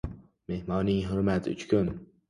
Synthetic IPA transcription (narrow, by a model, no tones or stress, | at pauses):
mehmɑːniːɦʊɾmat̪ʰʊt͡ʃʰkʰʲʊn